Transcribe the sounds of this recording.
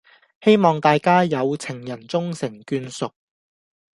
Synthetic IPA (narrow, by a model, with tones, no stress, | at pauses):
he˥jmɔː˨ŋt̪aː˨jkaː˥jɐ˨˧wt͡sʰɪ˨˩ŋjɐ˨˩nt͡sʊ˥ŋsɪ˨˩ŋkyː˧nsʊ˨k̚